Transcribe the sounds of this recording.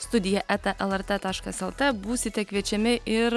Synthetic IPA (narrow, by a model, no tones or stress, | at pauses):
st̪ʊd̪ʲɪjɛʔæt̪ɛʔɛlˠɛɾt̪ɛt̪ɑːʃkɐsɛlˠt̪ɛbuːsʲɪt̪ʲɛkʋʲiɛt͡ʃʲɛmʲɪʔɪɾ